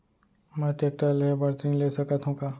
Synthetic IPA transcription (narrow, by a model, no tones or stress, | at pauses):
mɛːʈeːk̚ʈəlɦebɐɽt̪ɾĩːnleːsɐkat̪ɦũkaː